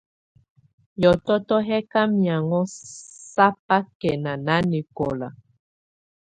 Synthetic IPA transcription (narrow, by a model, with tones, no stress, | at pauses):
jɔ˨tɔ˦tɔ˦ɦɛ˦ka˦mi˨a˨ŋɔ˦sa˦p̚a˦kɛ˨na˨na˦ni˨kɔ˨la˨